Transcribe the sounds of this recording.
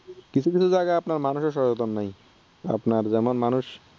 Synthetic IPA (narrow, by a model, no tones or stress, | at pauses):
kit͡ɕʰukit͡ɕʰud͡ʑaɡaapnaɾmanuʃeɾʃɔɾd͡ʑot̪onːaj | a̰pnaɾd͡ʑɛmonmanuʃ